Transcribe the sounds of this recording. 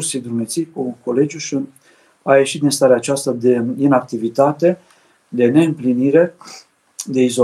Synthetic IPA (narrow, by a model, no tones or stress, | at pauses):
rsijd̪ɾumet̪sijkuko̞le̞d͡ʒʲjuʃi | aje̞ʃit̪̚d̪inst̪aɾeaːt͡ʃast̪ɾəd̪einak̚t̪ivit̪at̪e̞ | d̪e̞ne̞ɨmpliniɾe̞ | d̪e̞izo